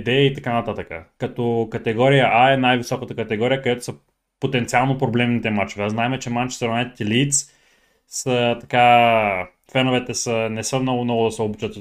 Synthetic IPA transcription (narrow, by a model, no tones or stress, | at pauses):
d̪ɛit̪ɐkanɐt̪at̪əkə̰kɐt̪ɔkɐt̪ɛɡɔɾijəʔaɛnajvisɔkət̪əkɐt̪ɛɡɔɾijəkod̪ɛt̪o̥sə | pot̪ɛnt̪sialˠnopɾoblɛmnit̪ɛmat͡ʃovɛznaɛmɛt͡ʃɛmant͡ʃsɾɐnɛt̪i̥t̪ɛlit̪s | sət̪ɐka | fɛnovɛt̪ɛsənɛsəmnɔɡʊnɔɡʊd̪ɐsɛobut͡ʃət̪